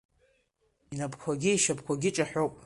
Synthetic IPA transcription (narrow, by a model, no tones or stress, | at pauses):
inapʰkʷʰaɡʲiiʃapʰkʷʰaɡʲɪʈ͡ʂʼaħʷᶣowpʼ